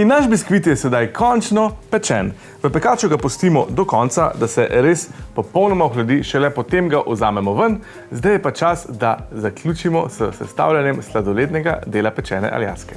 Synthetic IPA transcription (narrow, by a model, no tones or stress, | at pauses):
inːaʃbiskʋit̪̬jɛsɛd̪ajkʰɔnt͡ʃnɔpɛt͡ʃɛn | ʋəpɛkaːt͡ʃuɡapust̪iːmɔd̪ɔkɔnt̪sa̰d̪asɛʔɾespɔpəwnɔmaɔxlɛd̪iʃɛlɛpɔt̪emɡaʔɔzaːmɛmɔʋən | zd̪ajɛpat͡ʃasd̪azaklʲjuːt͡ʃimɔsəsɛ̰st̪a̰ːwlʲjanjɛmslad̪ɔleːt̪nɛɡa̰d̪eːlapɛt͡ʃɛ̰ːnɛ̰ʔa̰lja̰skɛ̥